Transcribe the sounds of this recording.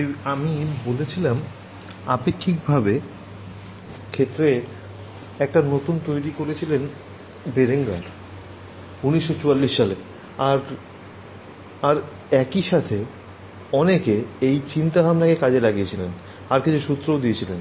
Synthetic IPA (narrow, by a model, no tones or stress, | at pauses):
amibolet͡ɕʰilam | a̰pekʰːikbʱabe | kʰet̪ːɾe | ɛk̚ʈanot̪unt̪ojɾikoɾet͡ɕʰilen | beɾeŋɡa̰ɾ | uniʃːot͡ɕualːiʃːale | aɾ | aɾ | ɛkiʃat̪ʰe | ɔnekeejt͡ɕint̪aɦamnakekad͡ʑelaɡiet͡ɕʰilen | aɾket͡ɕʰuʃut̪ːɾood̪iet͡ɕʰilen